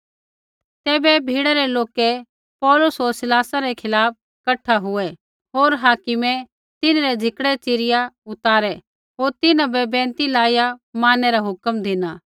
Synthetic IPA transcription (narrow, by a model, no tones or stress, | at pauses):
t̪ɛːbɛbʱiːɽaɾɛloːkɛ | pɔːlʊsɦoːɾsɪlaːsaɾɛkʰɪlaːp̚ | kɐʈʰːaɦʊɛ | ɦoːɾɦaːkɪmɛ | t̪ɪnɾɛd͡zʱɪkɽɛt͡ʃɪɾɪjaʊt̪aːɾɛ | ɦoːɾt̪ɪnãbɛbɛ̃ːnt̪ilaːjamaːnɛɾaɦʊkəmd̪ʱɪnaː